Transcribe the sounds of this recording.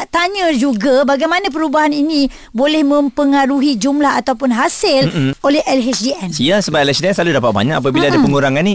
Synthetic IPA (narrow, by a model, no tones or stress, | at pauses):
t̪aɲãd͡ʒuɡabaɡajmanãp̬əɾubaɦaninĩ | bolɛhmə̃mpəŋaɾuɦid͡ʒumlaɦat̪awpʊnɦasɪlolɛhɛlɦɛsdiɛnsiasəbat̪ɛlɛsdiɛnsəlaludapat̪̚ba̰ɲakap̬abilaadapəŋuɾaŋani